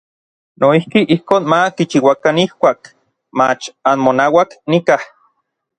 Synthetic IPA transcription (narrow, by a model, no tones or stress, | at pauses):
noihkiʔihkoːnmakit͡ʃiwakanihkʷaːk | mat͡ʃanmonawaknikah